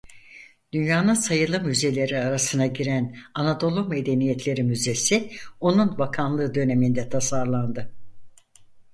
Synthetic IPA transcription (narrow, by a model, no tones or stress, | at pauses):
d̪̥ynjaːnɯnsajɯlˠɯmyze̞lʲe̞ɾiaɾasɯnaɟiɾænanad̪o̞lˠume̞d̪e̞nijɛt̪ʰlʲe̞ɾimyze̞sio̞nunbakʰanlˠɯːd̪ø̞ne̞mind̪ɛt̪ʰasaɾlˠand̪ɯ